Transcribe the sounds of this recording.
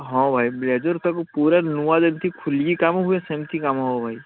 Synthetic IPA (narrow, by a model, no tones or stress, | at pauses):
ɦɔ̃bʱajbled͡ʒɔɾt̪akupuɾanuwad̪emt̪ʰikʰulɡikamɦuɛsemt̪ʰikamɦɔbʱaj